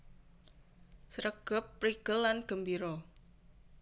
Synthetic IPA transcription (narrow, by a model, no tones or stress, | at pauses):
sɾəɡ̥ə̤pːɾiɡ̥əlːanɡ̥ə̤mbiɾɔ